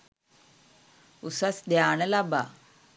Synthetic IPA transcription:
usɐsd̪jaːnəlaba̰

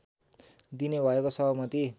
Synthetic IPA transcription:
d̪inebʱʌekosʌbʌmʌt̪i

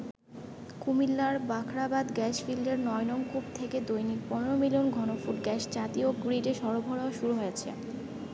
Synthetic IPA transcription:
kumilːaɾbakʰɾabad̪ɡɛʃfilɖeɾnɔjnɔmkupt̪ʰeked̪ojniɾponeɾomilionɡʱɔnofuʈɡɛʃd͡ʑat̪ioɡɾiʈeʃɔɾobʱɔɽaoʃuɾuɦojet͡ɕʰḛ

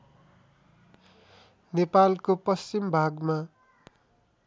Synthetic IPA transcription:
nepalkopʌst͡ɕimbʱaɡma

